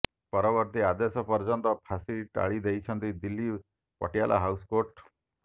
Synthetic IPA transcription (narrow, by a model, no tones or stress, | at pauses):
pɔɾɔbɔɾt̪iad̪esɔpɔɾd͡ʒɔnt̪ɔpʰasiʈa̰ɭid̪ejt͡ʃʰɔnt̪id̪ilːi | pɔ̰ʈijalʔa̰ɦawskoʈ